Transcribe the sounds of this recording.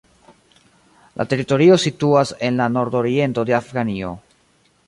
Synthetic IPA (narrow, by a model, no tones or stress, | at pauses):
lʔa̰te̞ɾito̞ɾio̞situase̞nlano̞ɾdo̞ɾie̞nto̞de̞afɡanio̞̰